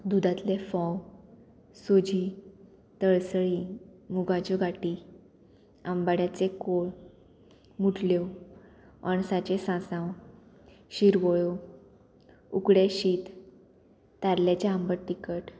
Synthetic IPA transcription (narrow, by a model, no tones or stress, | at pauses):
d̪ud̪at̪lefɔ̃w | sod͡ʑi | t̪əɭsɭimuɡad͡ʑɔɡʱaʈi | ambaɽjat͡sekoɭ | muʈʰljɔ | aɳsat͡ɕesãsãw | ɕiɾʋɔɭo | uɡɽeɕiːt̪ː | aɾljat͡ɕeambəɽʈikəʈ